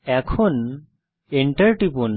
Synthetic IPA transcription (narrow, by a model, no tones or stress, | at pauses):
ɛkʰun | eɳʈəɾʈipun